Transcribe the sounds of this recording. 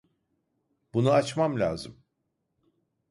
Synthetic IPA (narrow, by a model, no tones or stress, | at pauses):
b̥unuat͡ʃmamlʲa̰ːzɯm